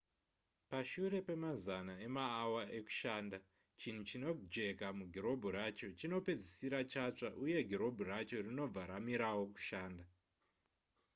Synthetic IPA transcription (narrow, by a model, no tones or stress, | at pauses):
paʃuɾe̞pe̞mazanae̞maːwaʔe̞ku̥ʃaːnda | t͡ʃin̤ut͡ʃino̞d͡ʒe̞kamuɡʱiɾo̞bʱuɾat͡ʃo̞t͡ʃino̞pe̞d͡zisiɾat͡ʃat͡ʂaʔuje̞ɡʱiɾo̞bʱuɾat͡ʃo̞rino̞b͡vaɾamiɾawo̞ku̥ʃaːnda